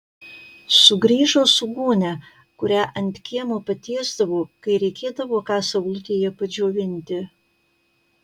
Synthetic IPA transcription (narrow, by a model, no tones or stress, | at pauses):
sʊɡɾʲiːʒoːsʊɡuːnʲɛ | kʊɾʲæːʔɐnʲt̪ʲkʲiɛmoːpɐt̪ʲeːzd̪ɐʋoːkɐɪɾʲɛɪkʲeːd̪ɐʋoːkɑːsɐʋʊlʲk̪ʲeːjɛpɐd͡ʒʲoːʋʲɪnʲt̪ʲɪ